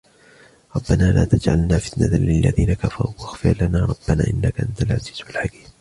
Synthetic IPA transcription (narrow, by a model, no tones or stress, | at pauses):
ɾˤɑbːanaːlʔa̰ːt̪ad͡ʒʕalnaːfɪ̥t̪nat̪lɪlːa̰ðiːnakafɑɾˤuːwʔaxfɪɾlanaːɾˤɑbːana̰ːʔɪnːakaʔant̪alʕa̰ziːz̥walħakiːm